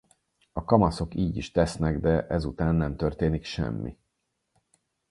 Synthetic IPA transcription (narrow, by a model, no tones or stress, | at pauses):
ɒkɒmɒso̞kiːɟiʃt̪ɛsnɛɡd̪ɛʔɛzut̪aːnːɛmt̪ørt̪eːnikʃɛ̰mːḭ